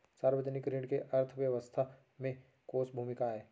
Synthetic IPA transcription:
saːɾwəd͡ʒənɪkɾɪɖkeʔɐɾt̪ʰʋjəʋəst̪ʰa | mẽ | koːsbʱuːmɪkaɦɛː

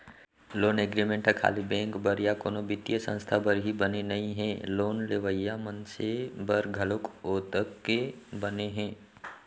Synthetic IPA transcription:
loːneɡɾimẽɳʈəkʰa̰ːlibɛ̃ːŋkbəɾjakoːnobɪt̪ijəsə̰̃nst̪ʰabəɾɦibɐnenɐɦĩɦɛ̃ːloːnleʋəjːamənsebɐɾɡʱɐlʊkoːt̪əkːebɐneɦɛ̃ː

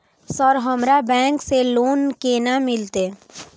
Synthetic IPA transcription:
sɔɾɦəmɾabɛ̃ːŋkseloːnkeːnamɪlt̪e

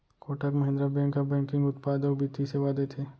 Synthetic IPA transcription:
koːʈəkmɐɦɪ̃nd̪ɾəbɛ̃ːŋkɐbɛ̃ːŋkɪ̃ŋɡʊt̪paːd̪əbit̪iseʋaːd̪et̪ʰeː

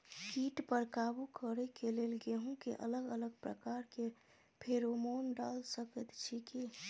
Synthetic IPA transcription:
kiːʈpəɾkaːbukəɾɛkelelɡeɦõkeʔə̰ləɡələɡ̚pɾə̰kaːɾke | pʰeɾomoːnɖa̰lsəkət̪t͡ʃʰiki

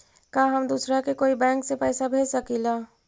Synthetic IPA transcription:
kaːɦɐmd̪uːsɾakekoːibɛ̃ːŋksepɛːsabʱeːsɐkilaː

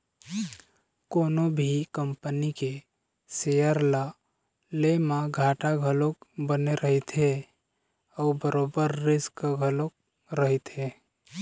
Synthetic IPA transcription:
koːnobʱikəmpənike | sejəɾla | lemãɡʱaːʈaɡʱəlokbəneɾʔəɦit̪ʰɦe | ɔːbəɾoːbəɾːɪskəɡʱəlok̚ | ɾəɦit̪e

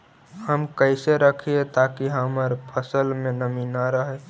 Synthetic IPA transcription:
həmkəɪseɾəkʰiet̪akiɦəməɾpʰəsəlmẽnəminaɾəɦe

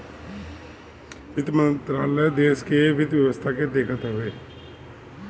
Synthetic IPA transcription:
ʋɪd̪mə̃nt̪ɾaːləd̪eːskeʋɪd̪ʋjəʋəst̪ʰaked̪eːkʰət̪ɦʊʋeː

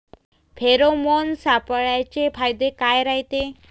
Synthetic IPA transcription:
pʰeɾomonsapəɭat͡ɕefajd̪ekajɾaɦit̪e

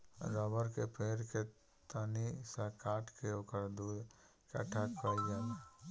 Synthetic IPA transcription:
zabəɾkepʰeːɾke | t̪ənisakaːʈʰkeoːkəɾd̪uː | ka̰ʈʰakəid͡ʒaː

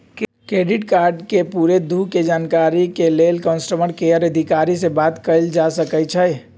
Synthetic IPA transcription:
kkɾeɖiʈkaɾɖkepuɾed̪ʱuked͡ʒankaɾikelelkənsʈəməɽkeəɾəd̪ʱikaɾisebat̪kəɪld͡ʒasəkɛjt͡ʃʰɛj

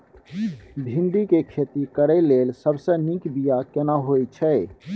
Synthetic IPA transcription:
bʱĩnd̪ikekʰet̪ikəɾɛlelsəbsə̃nikbijakenaɦojt͡ʃʰɛ

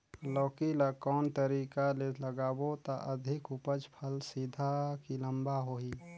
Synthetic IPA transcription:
lɔːkiləkɔːnt̪əɾiːkaleləɡaːbot̪a̰ʔəd̪ʱɪkupəd͡ʒpʰəlsid̪ʱakilə̃mbaɦoiː

